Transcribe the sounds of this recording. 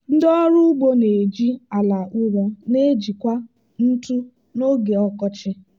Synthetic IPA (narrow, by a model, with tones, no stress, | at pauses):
n̩˦dɔ˦ɾʊ˦ɡ͡bo˦ne˨d͡ʒi˦a˨la˨ʔʊ˦ɾɔ˦ne˦d͡ʒi˨kʷa˦ | n̩˦tu˦ | no˦ɡe˨ɔ˦kɔ˦t͡ʃɪ˦